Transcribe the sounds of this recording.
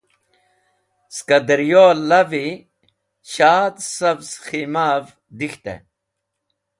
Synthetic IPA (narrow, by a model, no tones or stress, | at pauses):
skɐd̪ɾijoːlːɐvi | ɕaːd̪sɐbsximaːv | d̪ixt̪ḛ